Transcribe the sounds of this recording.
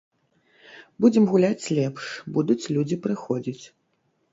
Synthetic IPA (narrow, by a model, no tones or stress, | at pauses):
bud͡zʲɛmɣulʲat͡sʲlʲɛpʂbud̪ut͡sʲlʲud͡zʲipɾɨxɔd͡zʲit͡sʲ